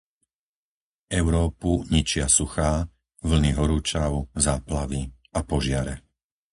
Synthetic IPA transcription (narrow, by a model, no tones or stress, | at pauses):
ɛʊɾɔːpuɲit͡ʃɪasuxaː | ʋl̩niɦɔɾuːt͡ʃaʊzaːplaʋi | apɔʒɪaɾɛ